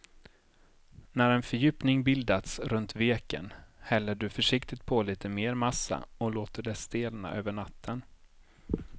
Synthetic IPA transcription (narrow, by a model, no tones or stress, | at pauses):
næɾɛnfœɾjʉ̟ːpnɪŋbɪld̪at̪sɾɵnt̪veːkə̰nhɛlːəɖɵfœʂɪkt̪ɪt̪̚pʰɔliːt̪ʰəmeːɾmasa̰ɔloːt̪əɖɛst̪eːlna̰ʔøːvəɳat̪ʰːən